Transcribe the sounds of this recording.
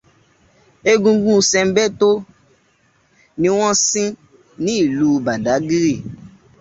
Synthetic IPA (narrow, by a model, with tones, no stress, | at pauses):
e˦˧ɡũ˧ɡũ˦sɛ̃˧m̩˦bɛ˦to˦ | nĩ˧˦w̃ɔ̃˦sĩ˦ | nĩ˨˦i˦˨lu˨˦ba˨da˨˦ɡi˦ɾi˦˨